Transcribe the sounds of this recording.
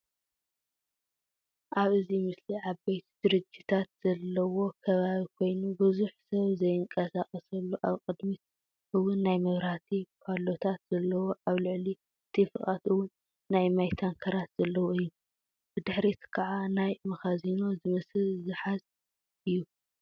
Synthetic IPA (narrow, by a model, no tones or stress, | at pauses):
ʔaβɨzimɨsliʕabejt̪ʰd̪̥ɨɾɨd͡ʒːit̪ʰat̪z̥ɐlːɐwo̞kʰɐβaβikʰo̞jnubɨzuħsɐβzɐjɨŋkʼɐsaχʼɐsɐlːuʔaβqʼɨd̪mit̪ | ʔɨwʊnːajmɐβɾat̪ʰipʰalo̞t̪ʰat̪z̥ɐlːɐwo̞ʔaβlɨʕli | t̪ʰɨfɨχʼat̪ɨwːʊnː | ajmajt̪ʰaŋkʰɐɾat̪z̥ɐlːɐwoɨjːu | b̥ɨd̪ɨħɾit̪kʰaʕanajmɐxazino̞zɨmɐsɨlzɨħaz | ʔɨjːu